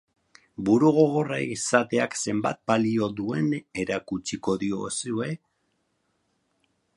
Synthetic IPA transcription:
buɾuɣo̞ɣo̞raisat̪e̞akse̞mba̰t̪̚balio̞ðue̞ne̞ɾakut͡ʃiko̞ðio̞̰sue̞

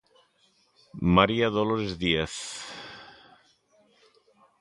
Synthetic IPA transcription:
maɾiaðoloɾezðieθ

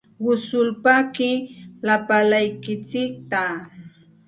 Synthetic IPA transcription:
wʊsʊlpakɪlapalajkɪt͡sɪk̚t̪a

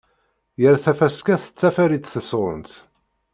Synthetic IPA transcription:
jəɾθæfæskæθə̥t͡sːæfæɾit̪θəsɾˤə̰nt̪

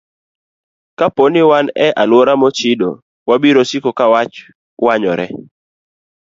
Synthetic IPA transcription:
kaponɪwanɛʔalwɔɾamɔt͡ʃɪdo̰ | wabiɾosikokawat͡ʃ | waɲɔ̰ɾɛ̰

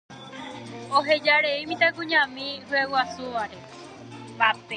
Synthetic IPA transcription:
oɦed͡ʒaɾeimĩt̪aɡũɲãmĩhuewasuʋaɾe | bape

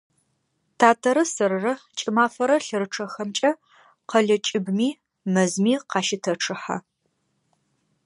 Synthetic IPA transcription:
tʰaːtʰɐɾɐsɐɾɨrɐt͡ʃʼɪmaːfɐɾɐɬɨɾɨʈ͡ʂʰɐxɐmt͡ʃʼɐ | qɐɮɐt͡ʃʼɪbmiː | mɐzmiːqɑːʃɪtʰɐʈ͡ʂʰɨħa̰

